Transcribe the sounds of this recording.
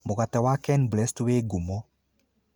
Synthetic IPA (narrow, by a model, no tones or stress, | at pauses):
moɣatɛwakɛnblɛstuweɡumɔ